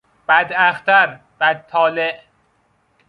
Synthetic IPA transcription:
b̥æd̪æxt̪ʰæɾ | b̥æd̪ʰɒːleʔ

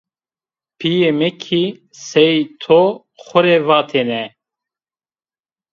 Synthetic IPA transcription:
pʰijemɛkʰi | sɛjt̪ʰo | xʷʊɾevaːt̪ʰeːnɛ

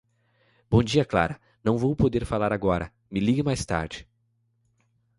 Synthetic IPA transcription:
b̥õd͡ʒiɐkla̰ɾɐ | nɐ̃w̃vowpod̪eɾfalaɾaɡɔɾɐ | mɪliɡɪmajst̪a̰ɾd͡ʒɪ̥

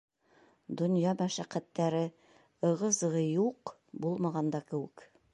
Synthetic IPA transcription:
d̪ŏnjɑmæʃæqæt̪ːæɾɘ | ɤ̆ʁɤ̆zʁɤjuq | bulˠmɑʁɑnd̪ɑkɘ̆wɘ̆k

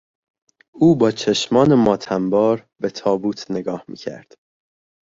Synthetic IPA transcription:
ʔuːbɒːt͡ʃʰeʃmɒːnemɒːt̪ʰæmbɒːɾbe̞t̪ʰɒːbuːt̪ʰne̞ɡɒːhmḭːcʰæ̰ɾd̪̥

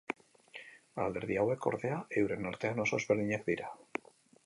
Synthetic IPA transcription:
a̰ld̪eɾðiaweko̰ɾðeaewɾenːoɾt̪eanosozβeɾliɲeθβiɾa

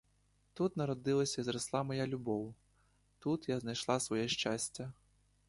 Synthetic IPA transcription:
t̪ut̪nɐɾɔd̪ɨlˠɐsʲɐizɾaslˠamajalʲubɔw | t̪ut̪jaznajʂlˠasvɔjɛʂt͡ʂasʲt͡sʲːɐ

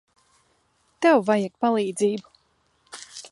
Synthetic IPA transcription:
t̪ɛwvajɛk̚palˠiːd̪ziːbu̥

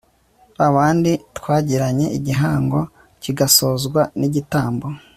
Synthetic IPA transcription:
aβaːnditkwaːɟiɾaɲe̞iɟiɦaːŋɡo̞ | ciɡaso̞ːzɡwaniɟitaːmbo̞

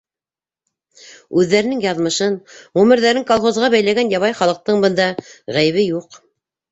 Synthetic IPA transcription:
ʉðːæɾɘ̆nɘŋjɑðmɤ̆ʃɤnʁʉmɘ̆ɾðæɾɘŋkolˠχozʁɑbæjlæɡænjɑβɑjχɑlˠɤ̆q̚t̪ɤɴbɤ̆nd̪ɑʁæjɘ̆βɘjuq

